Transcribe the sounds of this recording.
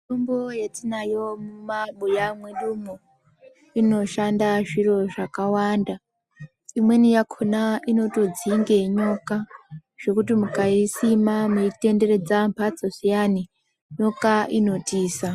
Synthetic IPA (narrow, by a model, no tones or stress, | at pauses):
tombojetinajo̞mumaɓujamweɗumo | ino̞ʃandaʐiɾo̞ʐakawaːnda | imwe̞nijakʰonaino̞to̞d͡ziŋɡe̞ɲo̞kaʐ̥e̞kutimukaisimamuite̞nde̞ɾe̞d͡zampʰat͡sosijani | ɲo̞kaʔino̞tiːsa